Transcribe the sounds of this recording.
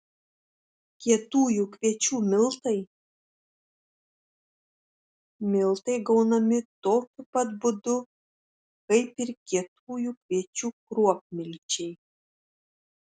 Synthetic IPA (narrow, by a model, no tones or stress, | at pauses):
kʲiɛt̪uːjʊkʲʋʲiɛt͡ʃʲuːmʲɪlˠt̪ɐɪ | mʲɪlˠt̪ɐɪɡɐʊnɐmʲɪt̪oːkʲʊpɐt̪bʊd̪ʊ | kɐɪpɪɾkʲiɛt̪uːjukʲʋʲiɛt͡ʃʲuːkɾuɔp̚ʲmʲɪlʲt͡ʃʲɛɪ